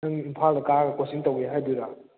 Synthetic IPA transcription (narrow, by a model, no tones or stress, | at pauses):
ɯŋimpʰalɡɐkaɡɐkɔsiŋtaweɦajduɾa